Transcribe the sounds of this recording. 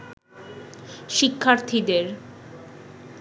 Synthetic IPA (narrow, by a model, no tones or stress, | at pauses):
ʃikʰːaɾt̪ʰid̪eɾ